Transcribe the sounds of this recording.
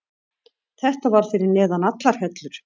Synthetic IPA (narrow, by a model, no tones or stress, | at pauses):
θɛht̪avaɾ̥fɪɾɪɾnɛːðanat̪laɾ̥hɛt̪lʏɾ̥